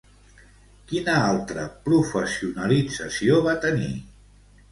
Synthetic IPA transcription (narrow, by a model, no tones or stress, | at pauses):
kinəalˠt̪ɾə̰pɾufəsiunəlid͡zəsioβat̪ənḭ